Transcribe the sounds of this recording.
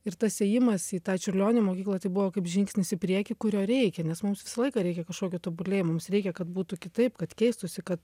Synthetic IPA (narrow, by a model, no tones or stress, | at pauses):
ɪrt̪ɐssʲeːjɪmɐsiːt̪ɑːt͡ʃʲʊrʲlʲoːnʲɪmoːkʲiːklˠɐt̪ɐɪbʊʋoːkɐɪpʒʲɪŋksʲnʲɪsɪpʲɾʲiɛkʲɪkʊɾʲoːɾʲɛɪkʲɛnʲɛsmʊmsʋʲɪsɐlˠɐɪkɑːɾʲɛɪkʲɛkɐʃkoːkʲɪt̪oːbʊlʲeːmʊmsɾʲɛɪkʲɛkɐt̪buːt̪ʊkʲɪt̪ɐɪpkɐt̪kʲɛɪst̪ʊsʲɪkɐt̪